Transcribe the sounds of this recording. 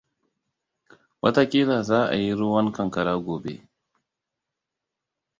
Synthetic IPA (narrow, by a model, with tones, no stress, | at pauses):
wɐ˦ta˨kʲiː˦daː˨zaː˦ʔa̰˨ji˦ɾu˦wɐ˦ŋkɐ˨ŋkɐ˨ɾaː˦ɡʷoː˨bḛ˦